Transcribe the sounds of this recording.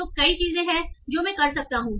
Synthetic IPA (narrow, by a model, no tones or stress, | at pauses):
okɐit͡ʃiːzẽɦɛ̃d͡ʒoːmɛ̃kɐɾsɐk̚t̪aɦũː